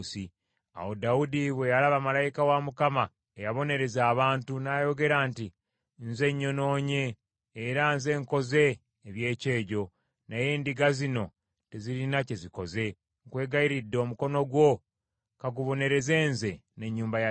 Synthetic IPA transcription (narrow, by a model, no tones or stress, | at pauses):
si | a̰wo̞daudiβwe̞jalaβamalajikawamukama | ejaβo̞ne̞ɾe̞zaːβaːntunaːjo̞ɡe̞ɾaːnti | nze̞ɲːo̞no̞ːɲe̞ː | ɾanze̞ːŋko̞ze̞ː | βje̞ːce̞ːɟo̞ | naje̞ːndiɡazino̞ | te̞ziɾinace̞ziko̞ze̞ | ŋkwe̞ːɡajiɾidːo̞ːmuko̞no̞ɡwo̞ | kaɡuβo̞ne̞ɾe̞ze̞ːnze̞ne̞ɲːuːmbaja